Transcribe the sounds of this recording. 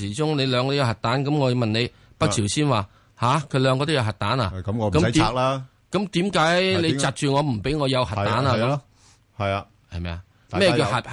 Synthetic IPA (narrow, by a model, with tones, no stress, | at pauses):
iː˨˩t͡ʃʊ˥ŋne˨˧jlœː˨˧ŋkɔː˧o˥jwhɐ˨t̚t̪aː˨˥nkɐ˨˥mŋɔː˨˧mɐ˨ne˨˧j | pɐ˥ktʰiː˨˩wsiː˥nwaː˨˩ | haː˨˧kʰɵ˧ɥlœː˨˧ŋkɔː˧t̪o˥jɐ˨˧wɦɐ˨t̚t̪aː˨˥na̰ː˧˦m˧kɐ˦˥m˦t̪i˨˧la | kɐ˨˥mt̪iː˨˥mkaː˨˥jjle˨˧jt͡saː˨˧t̚t͡ʃyː˨ŋɔː˨˧m̩˨˩pe˨˥jŋɔː˨˧jɐ˨˧whɐ˨tt̪aː˨˥naː˨˧kɐ˨˦m | hɐ˨j | hɐ˨jmɛ̰ː˧a˧ | mɛː˥jɛ˧kiː˧whɐ˨˩